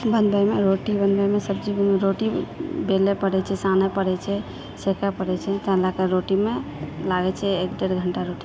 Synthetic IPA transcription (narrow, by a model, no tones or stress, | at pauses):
bənbəjmeɾoʈibənbəjmesəb̚d͡ʒibnɾoʈibelepəɽɛt͡ʃʰɛsanɛpəɽɛt͡ʃʰɛ | sekʰapəɽɛt͡ʃʰɛt̪əɦlakeɾoʈimelaɡɛt͡ʃʰɛekɖeɾɡʱəɳʈaɾoʈi̥